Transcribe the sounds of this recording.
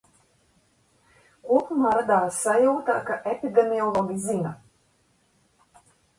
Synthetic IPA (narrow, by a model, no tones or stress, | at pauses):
kuɔpumaːɾad̪aːsːajawt̪akaʔepid̪ɛmiɔlˠɔɡʲizina